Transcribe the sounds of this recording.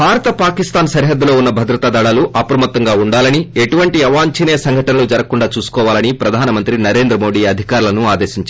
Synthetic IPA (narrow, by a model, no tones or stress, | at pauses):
bʱaːɾɐt̪ɐpaːkist̪aːnsɐɾiɦɐd̪ːulo̞ːunːɐbʱɐd̪ɾɐt̪aːd̪ɐɽaːluʔɐpɾɐmɐt̪ːɐŋɡaːuɳɖaːlɐnie̞ʈuʋɐɳʈiɐʋaːɲt͡ʃine̞ːsɐŋɡʱɐʈɐnɐlud͡ʒɐɾɐkːuɳɖaːt͡ʃuːsu̥kɔːʋaːlɐnipɾɐd̪ʱaːnɐmɐnt̪ɾinɐɾe̞ːnd̪ɾɐmo̞ːɖiːɐd̪ʱikaːɾulɐnuaːd̪e̞ːʃiɲt͡ʃa